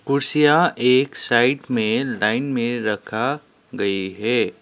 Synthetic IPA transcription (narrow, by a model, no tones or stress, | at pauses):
pʊɾsijaʔeːksaːɪʈmẽlaːɪnmẽɾɐkʰa | ɡɐiɦɛː